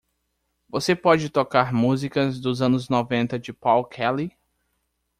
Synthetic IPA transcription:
vosepɔd͡ʒɪt̪okaɾmuzikɐzd̪ʊzɐ̃nʊznɔvẽnt̪ɐd͡ʒɪpawkʰɛli

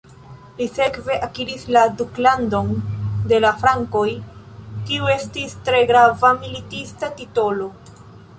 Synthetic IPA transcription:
lise̞kve̞ʔakiɾisladuklando̞nde̞lafɾaŋko̞j | kiue̞stistɾe̞ɡɾavamilitistatito̞lo̞

